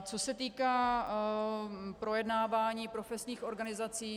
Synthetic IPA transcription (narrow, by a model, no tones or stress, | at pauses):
t͡so̞sɛt̪iːkaː | pɾo̞jɛdnaːvaːɲiːpɾo̞fɛsɲiːxo̞ɾɡanɪzat͡siː